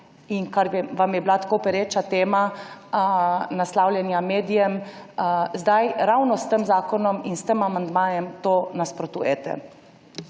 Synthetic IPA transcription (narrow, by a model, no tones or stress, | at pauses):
iŋkaɾʋamjɛblat̪kopɛɾeːt͡ʃat̪eːma | naslaːwljɛnjameːd̪ijɛm | zd̪ajɾawnɔst̪əmzaːkɔnɔminst̪əmamand̪maːjɛmt̪oːnaspɾɔt̪ṵjɛt̪ɛ̰